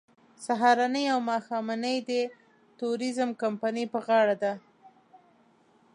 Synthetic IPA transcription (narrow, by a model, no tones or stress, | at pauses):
saɦɑɾɑnəjawmɑxɑmanəjd̪ə | t̪uɾizəmkampanipəɣɑɽad̪a